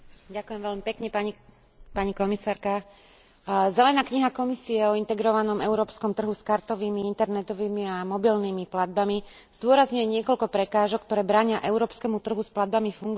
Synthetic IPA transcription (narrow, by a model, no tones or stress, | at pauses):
ɟakujɛmʋɛʎmipɛkɲɛpaɲ | paɲikɔmisaːɾka | zɛlɛnaːkɲiɦakɔmisiɛɔint̪ɛɡɾɔʋanɔmɛʊɾɔːpskɔmt̪r̩ɦuskaɾt̪ɔʋiːmiint̪ɛɾnɛt̪ɔʋiːmiamɔbilniːmiplad̪̚bami | z̥d̪ʊɔɾazɲʊjɛɲɪɛkɔlkɔpɾɛkaːʒɔkːt̪ɔɾɛːbɾaːɲɪaʔɛʊɾɔːpskɛmut̪r̩ɦusplad̪̚bamifuŋɡ